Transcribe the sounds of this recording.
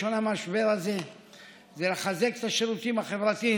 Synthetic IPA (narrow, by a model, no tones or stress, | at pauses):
onamaʃbelaze | zeleχazeke̥t̪aʃeʁut̪imhaχevʁat̪i